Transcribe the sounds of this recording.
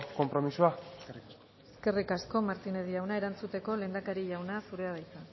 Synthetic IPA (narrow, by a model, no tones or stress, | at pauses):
ko̞mpɾo̞misuari | eske̞rikasko̞maɾt̪ine̞ðijawnae̞ɾant͡sut̪e̞ko̞le̞ːnd̪akaɾiʝawnasuɾe̞aðajt̪a